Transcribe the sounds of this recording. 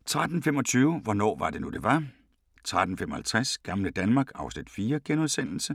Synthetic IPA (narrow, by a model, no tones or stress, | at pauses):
t͡sʰʁad̥n̩femɒ̽t͡sʰyːʊʋɒnɒ̰ːʋɑ̈d̥e̝nud̥e̝ʋɑ̈ | t͡sʰʁad̥n̩femɒ̽hælt͡sʰʁasɡ̥ɑ̈mləd̥ænmɑ̈ːɡ̥ɑ̈ʊsnid̥fiːɐɡ̥enoðˠsen̰l̩sə